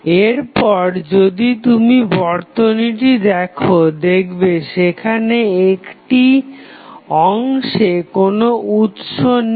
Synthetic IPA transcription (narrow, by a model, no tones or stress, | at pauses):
eɾpɔɾd͡ʑod̪it̪umibɔɾt̪oniʈid̪ɛkʰod̪ekʰbeʃekʰaneekʈi | ɔŋʃekonout̪ʃon